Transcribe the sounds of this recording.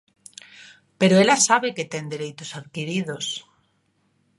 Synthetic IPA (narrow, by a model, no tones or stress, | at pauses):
peɾoelasaβeket̪end̪eɾejt̪osaðkiɾiðos